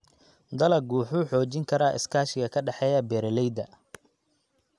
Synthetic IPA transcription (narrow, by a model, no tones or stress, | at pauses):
d̪ɐlɐɡuːħuːħɔːt͡ʃɪŋkʰɐɾaːʔɪ̰skʰaːʃɪɣɐkʰɐɖɑħɛːjɐbɛːɾɐlɛjd̪ɐ